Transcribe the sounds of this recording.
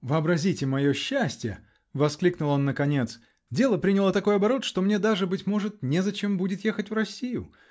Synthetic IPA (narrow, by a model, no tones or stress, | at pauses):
vɨɐbɾɐzʲitʲɪmɐjo̞ɕːæsʲtʲɪjə | vɐsklʲiknʊlˠo̞nːəkɐnʲe̞t̪s | dʲe̞lˠəpɾʲinʲɪlˠət̪ɐko̞jɐbɐɾo̞t̪ʂt̪o̞mnʲe̞d̪aʐɨbɨtʲmo̞ʐɨt̪̚nʲezɐt͡ɕe̞mbudʲɪt̪je̞xətʲvrɐsʲijʊ